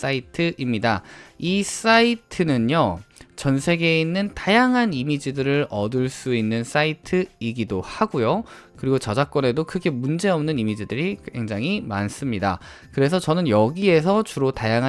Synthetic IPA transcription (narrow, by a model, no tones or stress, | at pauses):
s͈aitʰɯʔimɲidais͈aitʰɯnɯnjot͡ɕʌnsʰe̞ɡe̞inːɯntajaŋɦanimid͡ʑidɯɾɯɾʌdɯɭs͈uinːɯns͈aitʰɯiɡidohaɡojo | kɯɾiɡot͡ɕʌd͡ʑak͈̚wʌne̞dokʰɯɡe̞mund͡ʑe̞ʌmnɯnimid͡ʑidɯɾikwe̞ŋd͡ʑaŋɦima̰ns͈ɯmɲida̰ | kɯɾe̞sʰʌt͡ɕʌnɯnjʌɡie̞sʰʌt͡ɕuɾotajaŋɦa